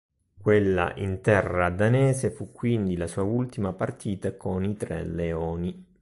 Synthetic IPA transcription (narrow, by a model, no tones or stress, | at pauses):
kwelːa̰ʔḭnt̪ɛrːad̪anɛːzefukːwind̪ilasuːault̪imapart̪ʰiːt̪akonit̪ɾɛ̰leɔːni